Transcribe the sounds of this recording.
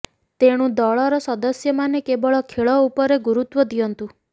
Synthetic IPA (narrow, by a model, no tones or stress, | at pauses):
t̪eɽ̃ũd̪ɔɭɔɾɔsɔd̪ɔsjɔmanekebɔɭɔkʰeɭɔupɔɾeɡuɾut̪wɔd̪iɔnt̪u